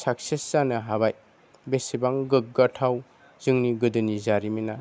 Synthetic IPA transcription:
sak̚seszanɐɦabaj | besibaŋɡɯk̚ɡatʰaw | zɯŋniɡɯdɯnizaɾimina

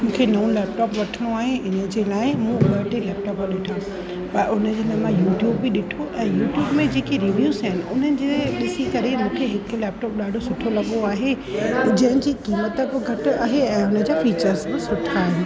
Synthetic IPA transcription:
mũːkʰenɐũlɛːpʈɔːpʋɐʈʰəɽ̃oaːɦeʔɪnəd͡ʑeːlaːɪmũɓɐʈilɛːp̚ʈɔːpaɗɪʈʰã | pɐʊnə̆d͡ʑeːlaːɦmãjuːʈjuːbːɪɗɪʈʰoʔɛ̃ːjuːʈjuːbmẽd͡ʑeːkiɾiʋjuːzɪnɪ̆ʔʊn̤ənɪ̆d͡ʑeːɗɪsikɐɾemũːkʰeɦɪkʊ̆lɛːp̚ʈɔːp̚ɗaːɖʱosʊʈʰolɐɠoaːɦe | d͡ʑɐ̃ɦɪ̃d͡ʑiːkiːmət̪əkoɡʱɐʈʊaːɦeɛ̃ːʊnə̆d͡ʑaːfiːt͡ɕəɾzbɪ̃sʊʈʰaːɦɪnɪ

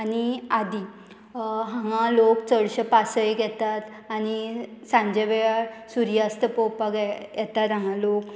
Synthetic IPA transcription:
añiad̪i | ɦãŋãlokt͡səɽɕəpasəjɡɛt̪at̪ | añisãɲd͡ʑəʋɛɭasuɾjast̪əpɔwpaɡɛjɛt̪at̪ɦãŋãlok

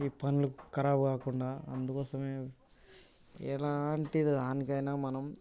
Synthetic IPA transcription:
iːpɐnulukɐɾaːbukaːkuɳɖaːɐnd̪ukɔːsɐmeː | ɛ̰laːɳʈid̪d̪aːnikɐjnaːmɐnɐm

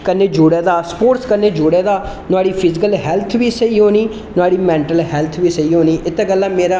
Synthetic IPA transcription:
kəneːd͡ʒoːɽeːd̪aːspoːɾskəneːd͡ʒoːɽeːd̪aː | nʊaːɽiːpʰɪd͡ʒɪkəlɦɛːlt̪ʰʋiːsəiːɦoːniː | nʊaːɽiːmɛ̃ːɳʈəlɦɛːlt̪ʰʋiːsəiːɦoːniːʔɪt̪ːeːɡəlːãːmeːɾaː

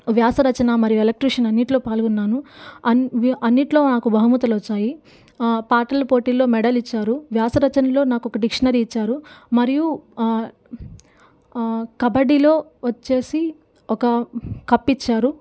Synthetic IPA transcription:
ʋjaːsɐɾɐt͡ʃɐnɐmɐɾijuelek̚ʈɾiʂɐnɐnːiʈlo̞ːpaːlɡunːaːnuɐɐnːiʈlo̞ːnaːkubʱɐɦɐmut̪ɐlɐt͡ʃːaːji | paːʈɐlɐpoːʈiːlo̞ːmɛɖɐlit͡ʃːaːɾuʋjaːsɐɾɐt͡ʃɐnɐlo̞ːnaːkɔkɐɖikʂɐnɐɾiːt͡ʃːaːɾumɐɾiju | kɐbɐɽilo̞ːʋɐt͡ʃːe̞ːsi | ɔkɐkɐpːit͡ʃːaːɾu

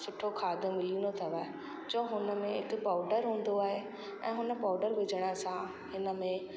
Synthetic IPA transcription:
sʊʈʰokʰaːd̪ʱʊ̆mɪlinot̪ʰɐʋaːɦe | d͡ʑõːɦʊnə̆mẽɦɪkpaːʊɖəɾɦũːn̆d̪oaːɦe | ɛ̰̃ːɦʊnə̆paːʊɖəɾʋɪd͡ʑʱəɽ̃əsã | hɪnəmẽ

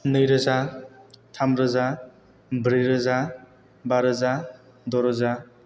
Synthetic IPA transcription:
nɯjɾɯza | tʰamɾəza | bɾɯjɾəza | baɾɯza | dɔɾɔza

